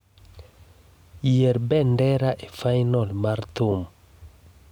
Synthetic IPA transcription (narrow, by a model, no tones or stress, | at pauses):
jɛɾbɛndɛɾaʔefajnɔlmaɾt̪um